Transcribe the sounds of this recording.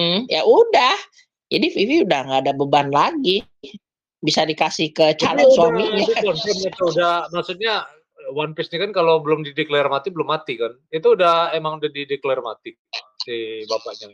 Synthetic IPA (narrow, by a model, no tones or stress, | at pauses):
m̩ja̰ʔudah | d͡ʒadififiudahŋɡaːdabəbanlaɡi | bisadikasihkət͡ʃalɛsuamiɲaɔnɛmit̪uudahmaksut̪̚ɲa | wanpɛsɲakankalobəlʊmdideklɛrmat̪ibəlʊmːat̪ikan | it̪uːdahemaŋudahdideklɛrma̰t̪i | sibapaʔɲa